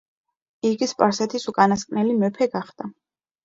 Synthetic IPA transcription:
iɡispʼaɾsɛt̪ʰisukʼanaskʼnɛlimɛpʰɛɡaχd̪̥a

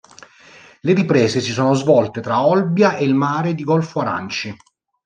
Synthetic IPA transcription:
leɾipɾeːzesisoːnozvɔlt̪et̪ɾaɔlbjaʔelmaːɾed̪iɡɔlfoaɾa̰nt͡ʃi

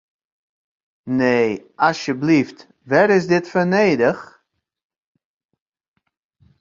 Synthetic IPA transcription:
neːʔɑsjəblift | ʋɛɾɪsdɪtfəneːjdəχ

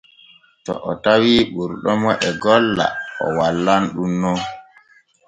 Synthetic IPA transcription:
tɔ̰ʔɔtawiɓuɾɗɔmɔʔɛɡɔlːa̰ɔ̰walːanɗunːɔ

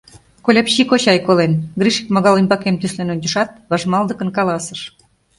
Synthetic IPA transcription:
kolʲɑpɕikot͡ɕɑjkolenɡriʃi̥kmoɣɑlimʲbɑkemt̪yslenont̪yʃɑt̪̚βɑʒmɑld̪ə̆kənkɑlɑsəʃ

